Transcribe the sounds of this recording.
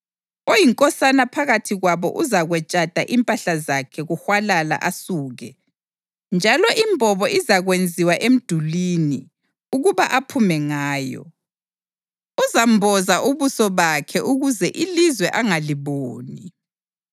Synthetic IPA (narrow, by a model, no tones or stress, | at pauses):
ojiŋkʼɔsanapʰaɣatʰiɣwaβɔ̰ʔuzaɣwɛt͡ʃʼad̥ʱaʔimpʼaɬazakʰɛɣuxwalala̰ʔasuːɣɛ | nd͡ʒʱalɔʔimbʱɔβɔʔizaɣwend͡zʱiwaʔem̩d̥ʱulini | uɣuβaʔapʰumɛŋaːjɔ̰ | uzambʱɔzaʔuβusɔβakʰɛʔuɣuzɛʔilizwɛʔaŋaliβoːni